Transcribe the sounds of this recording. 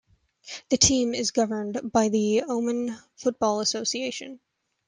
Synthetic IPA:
ðɨtʰĩmɪzɡʌvə̃˞nbaɪðiõʊ̃mɨ̃nfʊt̚b̥ɔlˠəsoʊsieɪʃɨ̰̃n

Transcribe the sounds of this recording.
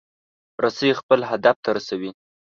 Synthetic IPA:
ɾasəjexpəlɦad̪aft̪aɾasawi

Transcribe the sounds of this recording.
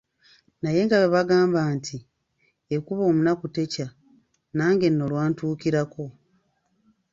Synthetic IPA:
naje̞ŋɡaβeβaɡaːmbaːntʰi | ekuβo̞ːmunakute̞ca | naːŋɡe̞nːo̞lwaːntuːkiɾako̞

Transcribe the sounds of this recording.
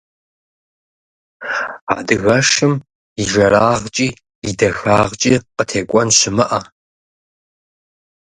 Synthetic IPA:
a̰dɨɣɐʂɨm | iʒɐraːʁt͡ʃʼiː | idɐxaːʁt͡ʃʼiːqətʰeːkʷʼɔnɕɪmɐʔɐ

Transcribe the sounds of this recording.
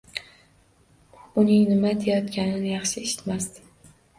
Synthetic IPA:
ʊnɪŋnɪmaet̪ʰajɒt̪kʲanɪnɪjɑχʃɪeʃɪ̥t̪masd̪ɪ̥

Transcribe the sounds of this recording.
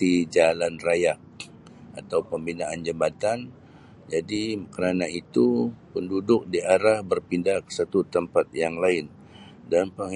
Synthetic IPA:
id͡ʒalanrajaʔ | a̰t̪awpəmbinaʔand͡ʒəbat̪an | d͡ʒadikəɾanait̪upəndudʊk̚diaɾahbərpindahkə̥sat̪ut̪əmpat̪̚jaŋlaɪn | danpəŋ

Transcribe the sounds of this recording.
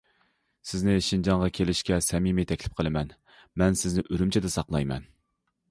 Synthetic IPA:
sɪznɪʃind͡ʒɑɴʁɑkʲʰelɪʃkʲɛsɛmimɪt̪ʰɛkʲlɪ̥p̚qʰəlˠɨmɛn | mɛnsɪznɪʔøɾymt͡ʃʰɪd̪ɛsɑqlˠɑjmɛ̰n

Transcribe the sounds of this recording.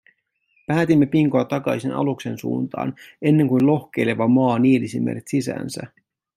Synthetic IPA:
pæːt̪imːe̞piŋkoɑt̪ɑkɑjsinɑ̰lukse̞nsṵːnt̪ɑ̰ːne̞nːe̞ŋkujlo̞hk̟e̞jle̞ʋɑmɑːnielisimːḛret̪sisæ̰ːnsæ̰

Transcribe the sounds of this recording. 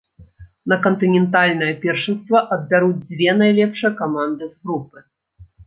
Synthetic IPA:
nɐkɐnt̪ɨnʲɛnt̪alʲnɐjɐpʲɛrʂɨnst̪vɐʔɐd̪̚bʲaɾud͡zʲd͡zʲvʲɛnajlʲɛpʂɨjɐkamand̪ɨzɣɾupɨ

